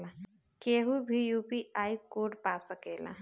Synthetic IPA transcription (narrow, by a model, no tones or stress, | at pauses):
lã | keɦubʱijupiaikoɖpasəkelã̰